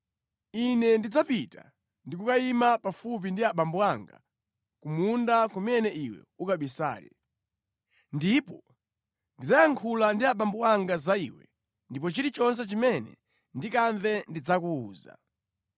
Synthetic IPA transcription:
inɛndid͡zapita̰ | ndikukaimapafup̬indiaɓambuaŋɡa̰ | kumundakumɛnɛʔiwɛ̰ukaɓisa̰ːlɛ̰ | ndipɔ | ndid͡zajaŋkʰulandiaɓambuwaŋɡazaḭwɛ̰ | ndip̬ɔt͡ʃiɾit͡ʃɔnsɛt͡ʃimɛnɛ̰ | ndikaɱvɛndid͡zakuuːza̰

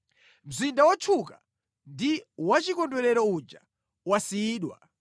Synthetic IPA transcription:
m̩zindawɔt͡ʃʰuka | ndiwat͡ʃikɔndwɛɾɛɾɔud͡ʒa | wasiːɗwa̰

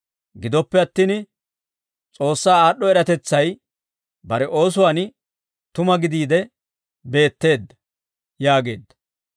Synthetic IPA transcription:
ɡɪd̪ɔpːɛɐt̪ːiːn | t͡sʼo̞ːsːaːaːɗːɔɛɾɐt̪ɛt͡sːɐj | bɐɾɛʔo̞ːs̬ʊwaːn | t̪ʊmɐɡɪd̪iːd̪ɛ | be̞ːt̪ːe̞ːd̪ːɐ̥ | jaːɡe̞ːd̪ːɐ̥

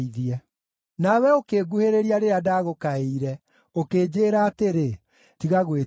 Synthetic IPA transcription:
iðiɛ | nawɛokeːɡuheɾeɾiaɾeɾadaɣokaeiɾɛ | okeːd͡ʑeːɾaːteɾe | tiɣaɣwe

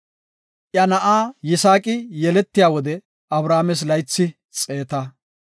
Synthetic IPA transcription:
ʔjɐnɐʔaːjɪsaːkʼɪjɛlɛt̪ːɪjaːwɔd̪ɛ | ʔɐbɾaːmɛs̬lɐjt͡sːɪ | t͡sʼeːt̪ɐ

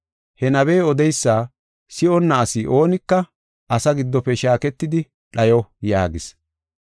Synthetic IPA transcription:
hɛnɐβeːɔd̪ɛjsːaː | sɪɔnːɐːsɪʔo̞ːnɪkːɐ | ʔɐsɐɡɪd̪ːɔpːɛʃaːkɛt̪ːɪd̪ɪ | ᶑɐjɔjaːɡɪs

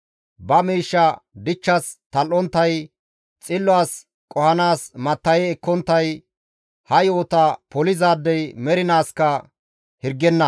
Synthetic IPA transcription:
bɐmiːʃːɐd̪ɪt͡ʃːɐst̪ɐlʔɔnt̪ːɐj | t͡sʼɪlːʊaːs | kʼɔhɐnaːsmɐt̪ːɐjɛːkːɔnt̪ːɐj | hɐjoːt̪ɐpɔlɪzaːd̪ːɛjmɛɾɪnaːskɐ | hɪɾɡɛnːɐ

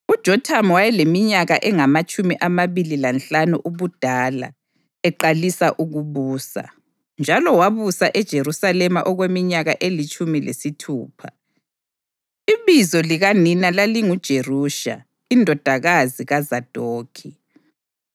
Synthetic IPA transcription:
ud̥ʒ̥ʱɔtʰamwajɛlemiɲaɣaʔɛŋamat͡ʃʼumiʔamaβililant͡ɬanuʔuβud̥ʱaːla̰ | ɛǃalisaʔuɣuβuːsa̰ | nd͡ʒʱalɔwaβusaʔɛd̥ʒ̥ʱerusalɛma̰ʔɔɣwemiɲaɣa̰ʔelit͡ʃʼumilḛsitʰṵːpʰa | iβizɔliɣaninalaliŋud̥ʒ̥ʱeruːʃa̰ | indʱɔd̥ʱaɣaziɣazad̥ʱoːkʰi

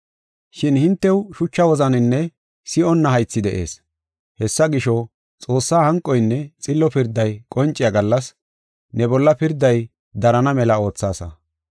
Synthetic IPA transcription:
ʃɪnhɪnt̪ːɛwʃʊt͡ʃːɐwɔzɐnɪnːɛ | sɪʔɔnːɐɦɐjt͡sːɪd̪ɛʔe̞̰ːs | hɛsːɐɡɪʃɔ | t͡sʼo̞ːsːaːhɐŋkʼːɔjnːɛt͡sʼɪlːɔpɪɾd̪ːɐjkʼɔnt͡ʃʼːɪjaɡɐlːɐs | nɛbɔlːɐpɪɾd̪ːɐj | d̪ɐɾɐnɐmɛlɐo̞ːt͡sːaːsɐ̰

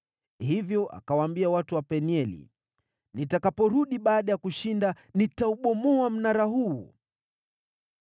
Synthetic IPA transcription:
hivjɔʔa̰kawaːmbiawatuwapɛniɛlḭ | nitakapɔɾuɗiɓaːɗajakuʃinda | nitauɓɔmɔam̩naɾaɦuː

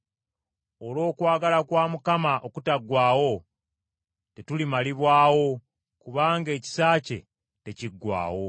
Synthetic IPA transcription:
o̞lo̞ːkwaːɡalakwaːmukamaʔo̞kutaɡwaːwo̞ | te̞tulimaliβwaːwo̞ | kuβaːŋɡe̞ːci̥saːce̞̰ | te̞ciɡːwa̰ːwo̞

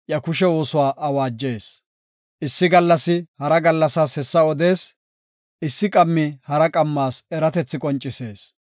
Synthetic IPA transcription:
ʔjɐkʊʃɛwo̞ːsʊwaːʔɐwaːd͡ʒːe̞ːs | ʔɪsːɪɡɐlːɐsɪhɐɾɐɡɐlːɐsaːshɛsːɐɔd̪e̞ːs | ɪsːɪkʼɐmːɪhɐɾɐkʼɐmːaːsɛɾɐt̪ɛt͡sːɪkʼɔnt͡ʃʼːɪse̞ːs

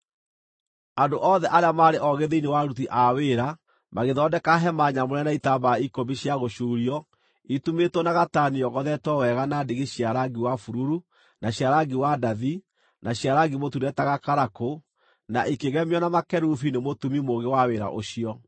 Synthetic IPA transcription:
andoʔɔðɛʔaɾeamaɾeʔɔɣeðeinewaɾutiʔaweɾa | maɣeðɔdɛkaɦɛmaɲamoɾɛnaitabaikobiɕjaɣoʃuːɾiɔ | itumetwɔnaɣataniɔɣɔðɛtɔwɛɣanadeɣeɕiaɾaɡiwafuɾuɾu | naɕjaɾaɡiwadaði | naɕiaɾaɡimotuɾɛtaɣakaɾako | naʔikeɣɛmjɔnamakɛɾufinemotumimoɣewaweɾa̰ʔo̰ɕiɔ

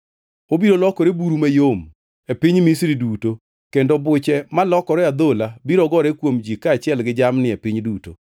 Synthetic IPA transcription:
obiɾolɔkɔɾebuɾumajom | epɪɲmisɾiduto | kendobʊt͡ʃɛmalɔkɔɾɛad̪olabiɾɔɡɔɾɛkwomd͡ʒikaːt͡ʃɪɛlɡɪd͡ʒamnɪepɪɲduto̰

